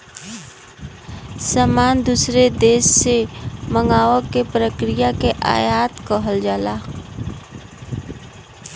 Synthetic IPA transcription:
saːmaːnd̪uːsɾed̪eːʃːeməŋɡaːʋəkːepɾəkɾijakeʔa̰ːjaːt̪kəɦəld͡ʒaːlaː

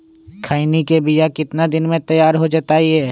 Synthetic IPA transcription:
kʰaːinikebijakɪt̪nad̪ɪnmẽt̪ɐjaːɾɦod͡ʒət̪aiɛ

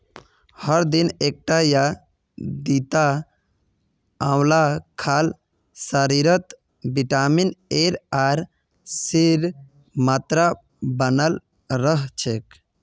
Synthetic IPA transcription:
həɾd̪inek̚ʈaja | d̪it̪a | ãwlakʰaːl | saɾiɾət̪ | biʈamineɾaɾ | siɾ | mat̪ɾa | bənəl | ɾəɦt͡ʃʰek

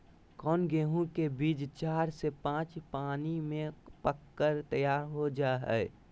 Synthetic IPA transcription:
kɔːnɡeːɦũkebiːd͡ʒt͡ʃaːɾsepãːt͡ʃpaːnimẽpəkːəɾt̪əjaːɾɦod͡ʒaɦɛ̰

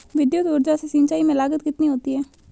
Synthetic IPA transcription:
ʋɪd̪jʊt̪ʊɾd͡ʒasesiːnt͡ʃaːimẽlaːɡət̪kɪt̪niɦoːt̪iɦɛː

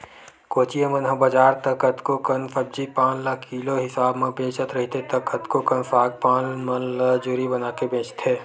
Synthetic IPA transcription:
koːt͡ʃijemɐnɦəbəd͡ʒaːɾt̪ɐkɐt̪kokənfɐbd͡ʒipaːnləkʰːiːloɦɪsaːbmẽbẽːt͡ʃət̪ɾɐɦit̪et̪ɐkɐt̪kokɐnfaːɡ̚paːnmɐ̃nlad͡ʒʊɾibɐnaːkebẽːt͡ʃt̪ɦɛː

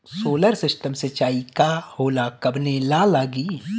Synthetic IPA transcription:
soːləɾsɪsʈəmsɪt͡ʃaːikahoːlakɐbnelalaːɡiː

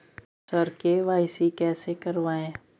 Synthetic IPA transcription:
səɾkeʋaːɪsikɛːsekɐɾʋaːẽː

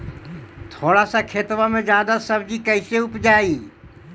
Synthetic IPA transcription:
t̪ʰoːɽasakʰeːt̪ʋamẽzjaːd̪asɐbd͡ʑikɐɪseʊpd͡ʒaːiː

